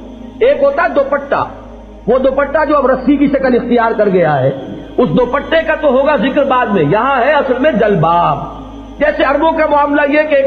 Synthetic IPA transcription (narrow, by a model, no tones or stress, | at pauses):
eːkɦoːt̪aɦɛd̪oːpəʈːa̰ | ʋod̪oːpəʈːad͡ʒoːɐbɾɐsikiʃɐkəlɪxt̪ijaːɾkɐɾɡɐjaɦɛ̰ː | ʊsd̪oːpəʈːekat̪oɦoːɡazɪkɾbaːd̪mẽjɐɦãɦɛɐsəlmẽd͡ʒɐlbaːb | d͡ʒɛːseɐɾmõkamʊaːmlajeɦɛkeːk